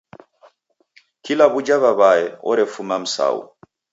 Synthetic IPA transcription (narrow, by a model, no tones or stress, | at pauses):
kilaβud͡ʒaβaβaɛɔ̰ɾɛfumam̩sa̰ṵ